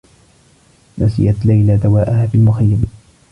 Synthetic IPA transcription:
nasɪ̰jʔat̪lajlad̪awaːʔahaːfɪlmʊxajːam

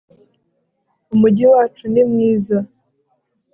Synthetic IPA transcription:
umuɟiwaːt͡ʃunimŋiːza

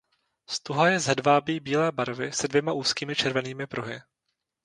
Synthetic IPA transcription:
st̪uɦajɛzɛdvaːbiːbiːlɛːbaɾvɪsɛdvjɛmaʔuːskiːmɪt͡ʃɛɾvɛniːmɪpɾuɦɪ̰

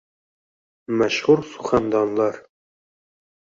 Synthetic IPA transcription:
mæʃhuɾsuχand̪ɑnlˠɑɾ

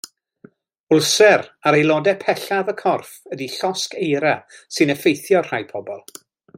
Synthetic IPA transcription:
ʊlˠsɛraɾejlˠɔdɛpʰɛɬaðəkʰɔrfədiɬɔskejɾasɨnəfejθjɔr̥ajpʰɔbɔlˠ

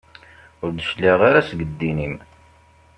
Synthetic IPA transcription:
ʊɾd̪əʃlːiʁaɾasɡəd̪ːinim

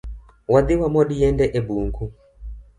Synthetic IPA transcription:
waðiwamɔɗijɛndɛʔɛbuːŋɡu

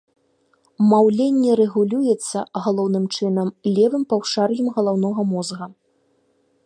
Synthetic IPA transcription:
mawlʲenʲːɛɾɛɣulʲujɛt̪sːɐɣalˠɔwnɨmt͡ʂɨnɐmlʲɛvɨmpawʂarjɛmɣɐlˠawnɔɣɐmɔzɣɐ

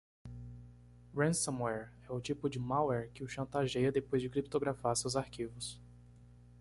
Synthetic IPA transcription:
wẽsɐ̃mwɛɾ | ɛʊt͡ʃipʊd͡ʒɪmawɛɾkɪʊʃɐ̃nt̪aʒejɐd̪epojzd͡ʒɪkɾip̚t̪oɡɾafaɾsewzaɾkivʊs

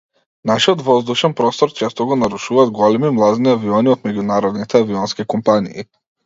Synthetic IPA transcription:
naʃiɔt̪vɔzd̪uʃɛnpɾɔst̪ɔɾt͡ʃɛst̪ɔɡɔnaɾuʃuvaːd̪ɡɔlɛmimlˠad̪niaviɔniɔt̪mɛɟunaɾɔd̪nit̪ʰɛaviɔnskikɔmpanḭː

